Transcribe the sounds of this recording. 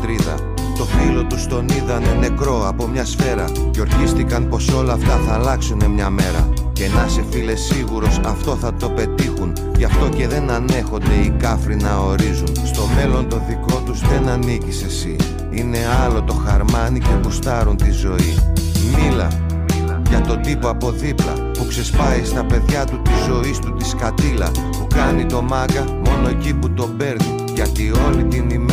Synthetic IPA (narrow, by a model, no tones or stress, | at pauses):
t̪ɾiðɐ̰ | t̪o̞filo̞t̪ust̪o̞niðɐnene̞kɾo̞ɐpo̞mɲɐsfe̞ɾɐ | ceo̞ɾçist̪ikɐnpo̞so̞lɐːft̪ɐθɐːlɐksune̞mɲɐme̞ɾɐ̰ | ce̞nɐse̞file̞sːiɣuɾo̞sɐft̪o̞θɐt̪o̞pe̞t̪ixun | ʝɐft̪o̞ce̞ðe̞nɐne̞xo̞nd̪e̞ikɐfɾinɐo̞ɾizunst̪o̞me̞lo̞nt̪o̞ðiko̞t̪uzðe̞nɐnicisesi | ine̞ɐlo̞t̪o̞xɐɾmɐnice̞pust̪ɐɾunt̪izo̞imilɐ̰ | ʝɐt̪o̞d̪ipo̞ɐpo̞ðiplɐ̰ | pukse̞spɐist̪ɐpe̞ðʝɐt̪ut̪izo̞ist̪ut̪iskɐt̪ilɐ | pukɐnit̪o̞mɐɡɐ | mo̞no̞e̞ciput̪o̞be̞ɾni | ʝɐt̪io̞lit̪inim